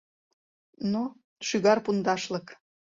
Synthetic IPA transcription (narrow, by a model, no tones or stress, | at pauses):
no | ʃyɣɑrpund̪ɑʃlɤk